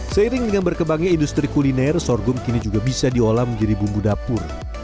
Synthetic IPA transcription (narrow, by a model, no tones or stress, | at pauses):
səiɾɪŋdəŋanbərkəmbaŋaindust̪ɾikulinɛrsɔrɡʊmkinid͡ʒuɡabisadiolaməɲd͡ʒadibumbudapʊr